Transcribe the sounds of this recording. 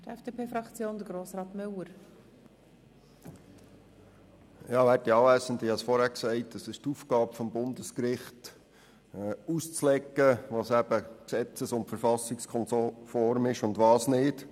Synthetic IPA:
tɛfd̥eːpʰeːfɾɑkt͡sjoːnd̪əɡɾoːsɾɑːt̪mʏwəɾ | ɑːʋæːttiɑːvæːsəndɪhɑsfɔɾhæːɾksɛɪt̚ːəsɪʃtufɡ̥ɑːbfɔmbʊndəskɾɪχt | ust͡slɛkːəʋɑːsæbəksɛt͡səsʊntfəɾfɑsɪkskʰɔnsofɔɾmɪʃʊndʋɑːsnɪːt

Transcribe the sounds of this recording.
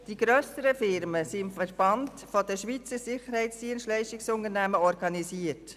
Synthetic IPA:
d̥iɡ̥ɾøːsəɾəfɪɾməsiɪmfəɾb̥ɑnd | fɔdəʃʋiːt͡səsɪχəɾhɛɪsd̥iənsʃtlɛɪʃtɪksʊnəɾnæməɔɾɡɑnisiːəɾt

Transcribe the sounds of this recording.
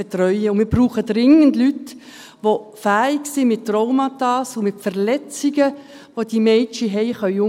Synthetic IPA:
et̪rœʏəʊnmɪːɾb̥ruːχəd̥rɪŋəndlyt | ʋofæːɪɡsɪmɪt̚trɔʊmɑtɑːsʊmɪtfəʁlɛt͡siɡə | ʋod̥imɛt͡ʃiɦɛɪχœʏʊ

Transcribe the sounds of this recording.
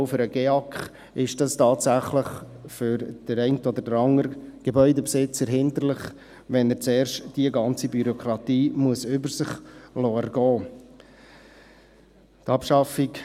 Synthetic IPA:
ʊfʏɾəɡ̥eɑkχ | ɪʃd̥ɑstɑːtsæχləχ | fʏɾd̥əɾɛɪntəod̪əd̥əɾɑŋəɾɡ̥ebœʏdəpsɪt͡səɾɦɪnd̪ərlɪχ | ʋɛnət͡sɛːrʃtd̥iəɡɑnt͡sibyɾokʰɾɑtiːmuəsʏbəɾsɪχlɔːɛɾɡɔː | tɑpʃɑfɪk

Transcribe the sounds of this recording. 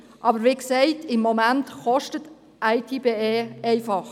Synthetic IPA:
ʔɑːbəɾʋiːksɛɪtʰɪmːomæntkɔʃtət | ʔæɪtʰiːbeeːɛɪfɑχ

